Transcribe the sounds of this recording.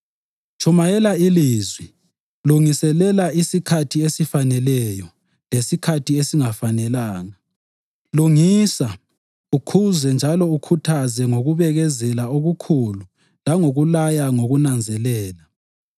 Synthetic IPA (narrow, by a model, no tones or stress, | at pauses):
t͡ʃʰʼumajɛlailiːzwi | luŋisɛlɛlaisikʰatʰiesifanɛlɛjɔ | lesikʰatʰiesiŋafanɛlaːna | luŋisa | ukʰuzɛnd͡ʒʱalɔukʰutʰazɛŋoɣuβɛɣɛzɛlaoɣukʰulu | laŋoɣulajaŋoɣunand͡zʱɛlɛːla